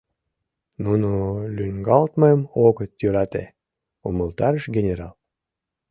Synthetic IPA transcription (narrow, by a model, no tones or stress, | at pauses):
nunulʲynʲɡɑlt̪məəmoɣət̪jøɾɑt̪e | oməlt̪ɑɾəʃɡʲenʲeɾɑl